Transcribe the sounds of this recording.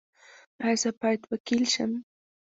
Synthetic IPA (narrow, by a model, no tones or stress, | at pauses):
asapajt̪wakɪlʃa̰m